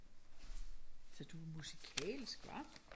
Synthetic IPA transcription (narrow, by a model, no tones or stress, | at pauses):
sɒ̽d̥umusikʰɛ̰ːlisɡ̥ʋɑ̥̈